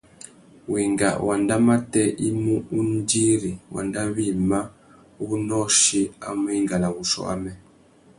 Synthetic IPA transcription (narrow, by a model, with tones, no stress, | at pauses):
wi˨ŋɡa̰˨wʔa˨nda˦ma˦tɛ˦i˦mu˦u˦n˦di˦ɾi˨wa̰˨nda˦βi˦ma˦ | u˦nɔ˦ʃi˦a̰˨˦mu˦i˦ŋɡa˨la˨wu˨ʃɔ̰˦a̰˦mɛ˨